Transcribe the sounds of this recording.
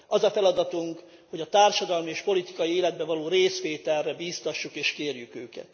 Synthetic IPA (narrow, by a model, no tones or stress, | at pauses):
ɒzɒfɛlɒd̪ɒt̪uŋk | ho̞ɟɒt̪aːrʃɒd̪ɒlmieːʃpo̞lit̪i̥kɒjieːlɛd̪̚bɛvɒloːɾeːsʋeːt̪ɛrːɛbiːst̪ɒʃːukeːʃkeːrjykøːkɛ̰t̪